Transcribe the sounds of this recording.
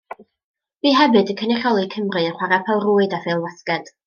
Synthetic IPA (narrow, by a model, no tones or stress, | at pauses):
b̥iːɦɛbɨdəkʰənɪχɔlˠikʰəmrɨəχwaɾapʰɛlˠruːɨdavelˠwaskɛd̥